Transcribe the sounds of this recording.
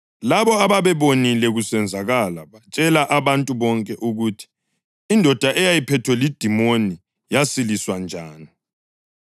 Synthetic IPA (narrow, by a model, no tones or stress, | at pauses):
laβɔaβaβɛβonilɛɣusɛnd͡zʱaɣalaβat͡ʃʼɛlaʔaβantʼuβɔŋkʼɛʔuɣuːtʰi̥ː | ndʱɔd̥ʱaʔɛjajipʰɛtʰwɛlid̥ʱimoni | jasiliswand͡ʒʱaːni